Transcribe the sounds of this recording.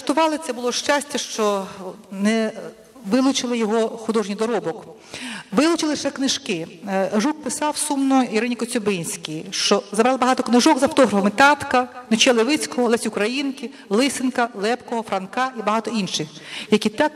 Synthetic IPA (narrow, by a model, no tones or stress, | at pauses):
st̪ʊʋɑlˠɪt̪sʲɛbʊlˠɔʃt͡ʃasʲtʲɐʃt͡ʃɔ | nɛ | ʋɪlˠʊt͡ʃɪlˠɪjɔɦɔxʊd̪ɔʒnʲijd̪ɔɾɔbɔk | ʋɪlˠʊt͡ʃɪlˠɪʃɛknɪʒkɪʒuk̚pɪsɑwsumnɔiɾɪnʲikɔt͡sʲɔbɪnʲsʲkʲijʃt͡ʃɔzɐbɾɑlˠbɐɦɑt̪ɔknɪʒɔɡzɐft̪ɔɦɾɐfɔmɪt̪ɑt̪kɐnɪt͡ʃɛlˠɪʋɪt͡sʲkɔɦɔlˠɛsʲʊkɾɐjinkɪ | lˠɪsɪnkɐlˠɛpkɔɦɔfɾɐnkɑibɐɦɑt̪ɔinʃɪxjɐkʲit̪ɑk